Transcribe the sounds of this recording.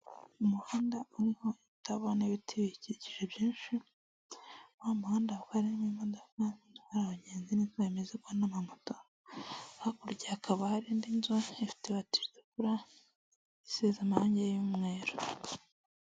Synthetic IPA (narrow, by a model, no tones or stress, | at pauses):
umuhaːndauɾiho̞iβitaβoneβitʰiβiciɟiʒebjiːnʃi | wamuhaːndaukaɾinimimodokanhaɾaβaɲeːnzininzeemezekuhanamamoto | hakuɾɟaːkaβahaɾiːndinzweːfi̥teβati̥ɾzekuɾa | isezamaaːɲɟejjumŋe̞ːɾo